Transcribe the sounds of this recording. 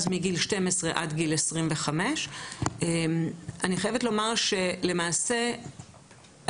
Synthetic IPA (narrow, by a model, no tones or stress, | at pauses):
zmiɡilʃte̞mesʁeʔadɡilesʁimveχame̞ʃemaniχajevetlo̞maʁʃe̞le̞maːse̞